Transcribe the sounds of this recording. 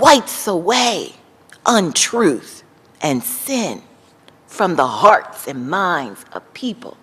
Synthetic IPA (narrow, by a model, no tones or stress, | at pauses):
waɪtsəweɪ | ʔə̃ntʰɹ̥ʉθ | ʔɨ̃nsɪ̃n | fɹʌ̃mðəhɑɹtsɨ̃nmãɪ̃ndz̥ʌ̰v̥pʰipl̩ˠ